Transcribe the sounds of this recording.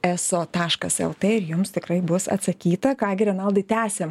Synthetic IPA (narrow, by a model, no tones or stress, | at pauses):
ɛsoːt̪ɑːʃkɐsɛ̰lˠt̪eːɪɾjʊmst̪ʲɪkɾɐɪbʊsɐ̰t̪sɐkʲiːt̪ɐkɑːɡʲɪɾʲɛnɐlˠd̪ɐɪt̪ʲæːsʲeːm